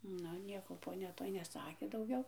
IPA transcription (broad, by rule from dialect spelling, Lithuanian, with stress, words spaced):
ˈnʊ ˈnʲiɛkoː poːˈnʲɛ ˈtoːj nʲɛˈsɑːkʲeː dɐʊˈɡʲɛʊ